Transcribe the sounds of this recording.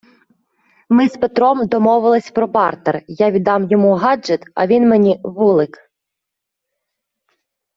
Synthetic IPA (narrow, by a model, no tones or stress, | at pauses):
mɪzpet̪ɾɔmd̪ɔmɔʋɪlˠɪsʲpɾɔbɑrt̪erjaʋʲid̪ɑmjɔmuɦɑd͡ʒɛt̪ɐ̰ʋʲinmenʲiʋulˠɪk